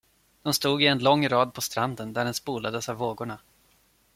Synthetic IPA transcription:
d̪̥ɔmst̪uːɡɪɛnlɔŋːɾɑːd̪̚pʰɔst̪ɾand̪ənd̪æɾɛnspuːlad̪əsavvoːɡʊɳa

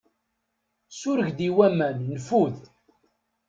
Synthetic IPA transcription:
sʊɾəʝd̪iwæmænnfuð

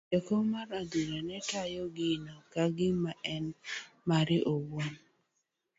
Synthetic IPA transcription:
ekomaɾaduɾanɛtajɔɡɪnɔkaɡɪmaʔɛnmaɾɪʔowon

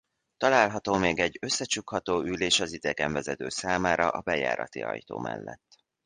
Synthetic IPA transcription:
t̪ɒlaːlɦɒt̪oːmeːɡɛɟø̞sːɛt͡ʃukhɒt̪oːyleːʃɒzid̪ɛɡɛɱvɛzɛt̪ø̰ːsaːmaːɾɒʔɒbɛja̰ːɾɒ̰t̪iɒ̰jt̪o̰ːmʔɛ̰lːɛ̰t̪ː

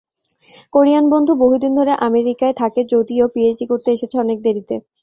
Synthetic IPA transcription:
koɾijanbond̪ʱuboɦud̪ind̪ʱoɾeʔameɾikaet̪ʰaked͡ʑod̪iopied͡ʑɖikoɾt̪eeʃet͡ɕʰeɔnek̚d̪eɾit̪e

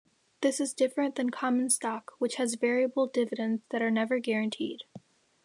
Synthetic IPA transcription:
ðɪsɨzdɪfɹɨ̃nðɨ̃nkʰɑm̃nstɑkwət͡ʃhɨzvɛɹiɨbl̩ˠdɪvɨɾɨ̃ndzðɨɾə˞nɛvə˞ɡɛɹɨ̃ntʰḭd̥

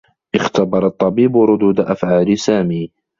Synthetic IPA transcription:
ʔɪxt̪abɑɾˤɑt̪ˤːɑbiːbɾˤʊd̪uːd̪aʔafʕaːlɪsaːmiː

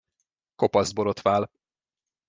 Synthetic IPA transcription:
ko̞pɒzd̪̚boɾo̞t̪ʋaːl

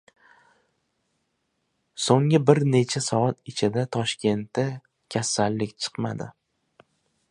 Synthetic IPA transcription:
soŋɪbɪɾne̞t͡ʃʰasɒat̪ɪt͡ʃʰɪd̪at̪ʰɒʃkʲe̞nt̪a | kʲʰasalːɪkʲt͡ʃʰɨ̥qma̰d̪ɪ̰

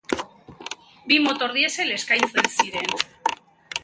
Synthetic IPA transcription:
bimot̪oɾðjesele̞skajnθðelsiɾen

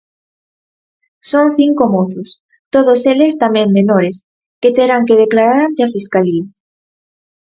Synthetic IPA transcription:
soŋθiŋkomoθʊs | t̪oð̞oselest̪amẽŋmenoɾes | ket̪eɾaŋkeð̞eklaɾaɾant̪eafiskalia

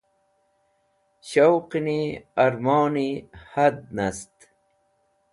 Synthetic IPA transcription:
ɕowqiniɐɾmoːnihɐd̪̚nɐst̪

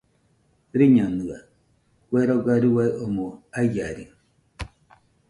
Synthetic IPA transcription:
ɾiɲɔnua̰ | kwɛɾɔɡaɾiwaʔomoajaɾi

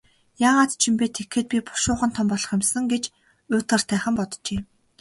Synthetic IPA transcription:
jaːʁaːt̪t͡ɕʰimpeːt̪ʰekxĕːt̪̚pʲipʊ̥ʃʊːχə̆nt̪ʰɔmpɔɮɞ̆χɪmsə̆ŋɡet͡ɕ | ʊːt̪ɢə̆r̥t̪ʰæːχə̆mpɔt̪t͡ɕeː

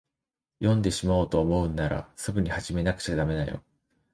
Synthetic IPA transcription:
jõ̞nd̪e̞ɕimao̞ːt̪o̞ːmo̞ɯ̟nːaɾa̰sɨɡɯ̟ɲ̟ihaʑime̞nakɯ̟̥t͡ɕad̪ame̞najo̞̰

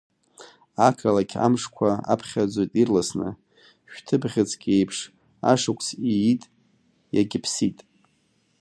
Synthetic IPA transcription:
akʰalakʲʰa̰mʂkʷʰaa̰pʰχʲad͡zʷojtʼirlasnɨ̰ | ʃᶣtʰɨbʁʲɪt͡sʰʼkʲʼejpʰʂ | a̰ʂakʷʰʼt͡sʰijitʼ | jaɡʲɪpʰsitʼ

